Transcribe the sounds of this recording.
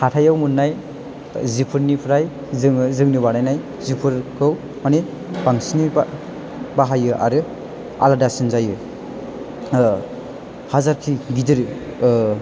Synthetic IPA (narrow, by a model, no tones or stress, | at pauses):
kʰatʰajawmunːaj | zipʰɯɾnipʰɾaj | zɯŋzɯŋnɯbanajnaj | zipʰɯɾkʰɯw | mani | baŋsini | baɦajɯʔa̰ɾɯ | a̰ladasinzajɯ | hazaɾkʰiɡidɯɾ